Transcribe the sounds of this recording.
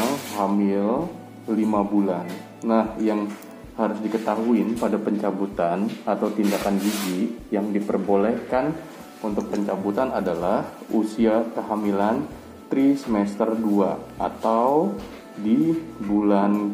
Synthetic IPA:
ŋhamɪl | limabulanː | ahjaŋ | haɾʊsdikət̪aɦuɪnpadapəɲt͡ʃabut̪anat̪awt̪indakanɡid͡ʒijaŋdipərbolɛhkan | unt̪ʊk̚pəɲt͡ʃabut̪anadalahusiakəɦamilan | t̪ɾisəmɛst̪ərduaʔat̪aw | dibulan

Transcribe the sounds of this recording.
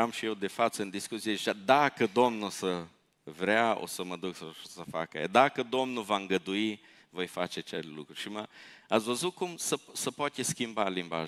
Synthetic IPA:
amʃijewd̪efat͡sɨnd̪iskusiet͡ʃad̪akəd̪omnusə | vɾeao̰səməd̪uksəsəfa̰kə̰ḛd̪akəd̪omnuvaŋɡəd̪ui | vojfat͡ʃet͡ʃellukɾuʃiməasvəzukumsəsəpoat̪ʲeskʲimbalimba̰ʒ

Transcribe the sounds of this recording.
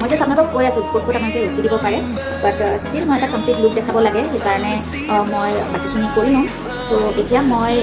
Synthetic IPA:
mojzʊsapnakɔkojasʊ̃kot̚botamanɔkɛɹokʰidibɔpaɹɛ | batstilmojɛtakɔmplitluk̚dɛkʰabɔlaɡɛxekaɹɔnɛ | mojbatixʰinikoɹinɔ̃ | soetijamoj

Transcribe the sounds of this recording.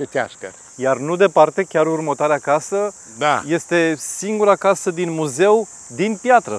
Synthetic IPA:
et̪ʲa̰ʃkə̰ɾ | jarnud̪e̞part̪e̞kʲaɾurmət̪oaɾeakasə | d̪aje̞st̪e̞siŋɡuɾakasəd̪inmuze̞w | d̪inpjat̪ɾə̰

